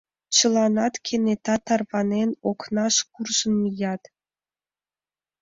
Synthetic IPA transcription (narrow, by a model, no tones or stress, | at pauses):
t͡ɕɤ̆lˠɑnɑt̪kʲʰenʲet̪ɑt̪ːɑrbɑnʲenʲoknɑʂkurʐɤ̆nmʲijɑt̪